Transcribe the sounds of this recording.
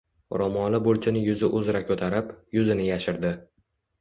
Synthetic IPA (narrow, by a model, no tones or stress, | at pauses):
ɾɒmɒlɪbʊlt͡ʃʰɪnɪjʊzɪʔʊzɾakʲʰɵt̪ʰaɾɪpjʊzɪnɪjaʃɪɾd̪ɪ